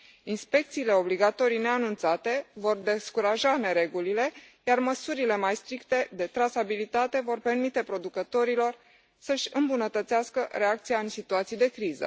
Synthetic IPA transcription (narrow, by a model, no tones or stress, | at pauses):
inspe̞k̚t̪siːle̞o̞bliɡat̪o̞ɾijne̞anunt̪sat̪e̞vo̞rd̪e̞skuɾaʒane̞ɾe̞ɡulile̞jarməsuɾile̞majst̪ɾikt̪e̞d̪e̞t̪ɾasabilit̪at̪e̞vo̞rpe̞rmit̪e̞pɾo̞d̪ukət̪o̞ɾilo̞r | səʃʲɨmbunət̪ət̪seaskəɾe̞akt̪sijaɨnsit̪uat̪sijd̪e̞kɾizə̰